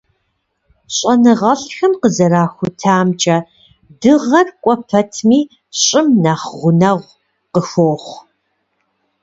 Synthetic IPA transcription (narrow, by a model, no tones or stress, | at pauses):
ɕʼɐnɨʁɐɬxɐmqəzɐɾaːxʷʊtʰaːmt͡ʃʼɐ | dɨʁɐrkʷʼɔpʰɐtʰmiː | ɕʼɪmnaːχʁʷʊnɐʁʷ | qəxʷoːχʷ